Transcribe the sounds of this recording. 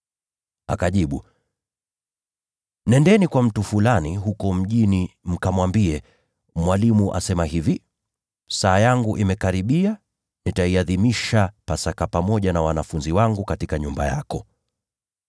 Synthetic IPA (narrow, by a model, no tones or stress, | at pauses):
a̰kaʄiɓu | nɛndɛnikwam̩tufulaniɦukɔm̩ʄinim̩kamwambiɛ | mwalimuʔa̰sɛmaɦivi | saːjaŋɡuʔimɛkaɾiɓia | nitaiaðimiʃapasakapamɔʄanawanafunziwaŋɡukatikaɲumbaja̰kɔ